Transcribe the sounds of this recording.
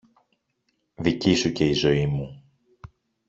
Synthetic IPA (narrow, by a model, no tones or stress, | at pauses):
ðicisuce̞izo̞imu